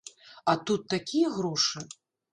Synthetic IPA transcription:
at̪ut̪ːakʲijɐɣɾɔʂɨ

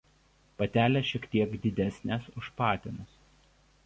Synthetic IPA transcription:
pɐt̪ʲæːlʲɛʃʲiɛkt̪ʲiɛɡd̪ʲɪd̪ʲæsʲnʲeˑsʊʃpɑːt̪ʲɪnʊs

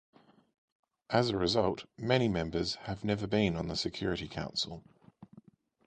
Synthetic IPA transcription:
ʔəzəɹɪzʌlˠʔmɛñimɛ̃mbəz̥əvnɛvəbĩnə̃nðəsɪkʰj̥ɔːɹɪtikʰã̰ʊ̃nsə̰lˠ

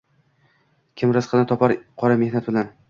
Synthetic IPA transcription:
kʲʰɪmɾɪsqʰɨnɪt̪ʰɒpʰaɾqʰɒɾamehnat̪̚bɪlan

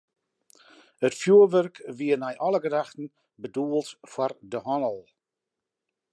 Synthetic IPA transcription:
ətfjuːəʋørkʋiənɛjʔɔləɡədaxtən̩ | bəduəlˠtfwɔrdəɦɔnəlˠ

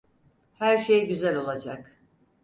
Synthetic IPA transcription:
hæɾʃejɟyzælʲo̞lˠad͡ʒak

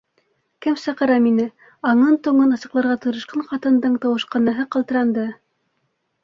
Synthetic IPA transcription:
kɘmsɑqɤ̆ɾɑminɘ | ɑɴɤnt̪uɴɤnɑ̆sɤ̆qlˠɑɾʁɑt̪ŏɾɤ̆ʃqɑɴqɑt̪ɤ̆nd̪ɤɴt̪ɑwɤ̆ʃqɑnɑɦɤqɑlˠt̪ɤ̆ɾɑnd̪ɤ

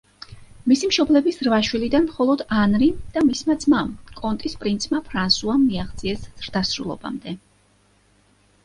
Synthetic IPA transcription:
misimʃɔblɛbisɾvaʃwilid̪anmχɔlˠɔd̪anɾid̪̥amismad̪zmamkʼɔnt̪ʼispʼɾint̪sʰmapʰɾansuaːiaχt̪zʼiɛsz̥ɾd̪asɾṵlˠɔ̰ba̰md̪ɛ

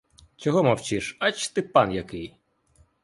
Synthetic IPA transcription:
t͡ʃɔɦɔmɐwt͡ʃiʃɐt͡ʃt̪ɪpɑnjɐkɪj

